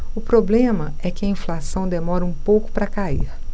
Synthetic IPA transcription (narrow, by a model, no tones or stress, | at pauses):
ʊpɾoblẽmɐ | ɛkɪɐĩflasɐ̃w̃d̪emɔɾɐũpowkʊ̥pɾɐkaḭɾ